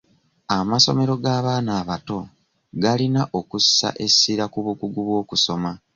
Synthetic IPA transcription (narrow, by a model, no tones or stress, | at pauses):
amaso̞̰me̞ɾo̞ɡaːβaːnaːβato̞ | ɡalinaʔo̞kussa̰ʔe̞siɾakuβukuɡuβwo̞ːkuso̞ma